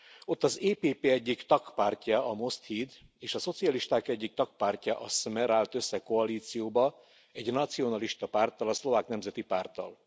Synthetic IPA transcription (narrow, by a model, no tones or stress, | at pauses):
o̞t̪ːɒzeːpeːpeːɛɟːikt̪ɒkpaːrcɒɒmo̞st̪hiːd̪eːʃɒso̞t̪siɒliʃt̪aːkɛɟːik̚t̪ɒk̚paːrcɒʔɒsmɛɾaːlt̪øsːɛko̞ɒliːt̪sijoːbɒ | ɛɟnɒt̪sio̞nɒliʃt̪ɒpaːrt̪ɒlɒslo̞vaːknɛmzɛt̪ipaːrt̪ɒ̰l